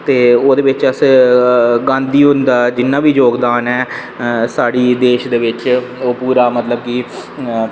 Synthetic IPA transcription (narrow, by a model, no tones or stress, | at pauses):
t̪eːoːd̪eːʋɪt͡ʃəs | ɡãːnd̪iːɦʊ̃nd̪aːd͡ʒɪnːãːbiːd͡ʒoːɡd̪aːnɛː | saːɽiːd̪eːʃd̪eːʋɪt͡ʃoːpuːɾaːmət̪ləb̚kiː